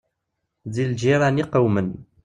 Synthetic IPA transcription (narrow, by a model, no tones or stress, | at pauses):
ðild͡ʒiɾˤaniqəwmən